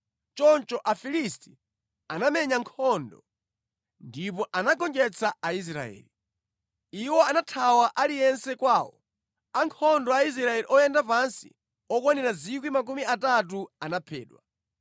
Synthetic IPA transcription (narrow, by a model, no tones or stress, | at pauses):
t͡ʃɔnt͡ʃɔʔafilisti̥ | anamɛɲaŋkʰɔndɔ | ndipɔʔanaɡɔnd͡ʒɛt͡sʰaais̬ɾa̰ɛ̰ːli | iwɔanatʰawaʔalijɛnsɛkwaːwɔ | aŋkʰɔndɔais̬ɾaɛliʔɔjɛndapansḭ | ɔkwanɛɾazikwimak̬umiatat̬uanapʰɛ̰ːɗwa